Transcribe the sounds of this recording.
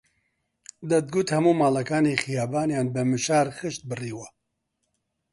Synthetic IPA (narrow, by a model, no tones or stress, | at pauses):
d̪ɐt̪̚ɡut̪hɐmuːmaːlɐkaːnixɪjaːbaːnjaːnbɨmɨʃaːɾxɨʃt̪̚bɨriːwɐ